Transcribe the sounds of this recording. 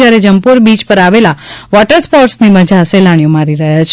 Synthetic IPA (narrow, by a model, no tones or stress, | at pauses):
jaɾed͡ʒəmpuɾbit͡ʃpəɾaʋelaʋɔʈəɾspɔɾsniməd͡ʒaselaɳ̃jõmaɾiɾəɦjat͡ʃʰ